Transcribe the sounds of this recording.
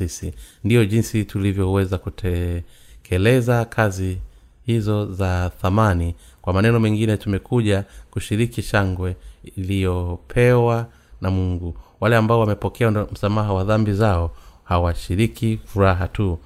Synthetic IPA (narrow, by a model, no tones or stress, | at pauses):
isindijɔʄinsitulivjɔwɛzakutʰɛ | kʰɛlɛzakʰazi | hizɔzaθamanikwamanɛnɔmɛŋɡinɛtumɛkuʄakuʃiɾikiʃaŋɡwɛilijɔpʰɛwa | namuŋɡuwalɛambaɔwamɛpɔkʰɛam̩samaɦawaðambizaɔhawaʃiɾikifuɾaɦatu